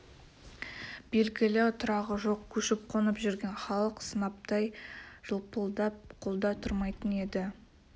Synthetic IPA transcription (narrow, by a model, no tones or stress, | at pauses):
b̥e̞lɡʲɪlɪʊt̪ʰʊɾɑʁəʒo̞qkʲʰɵʃɪp̚qʰo̞nəpʒʏɾɡʲe̞nχɑlˠəqsənɑp̚t̪ɑjʒ̥əlˠpəlˠd̪ɑp̚qʰo̞lˠd̪ɑt̪ʰʊɾmɑjt̪əne̞d̪ɪ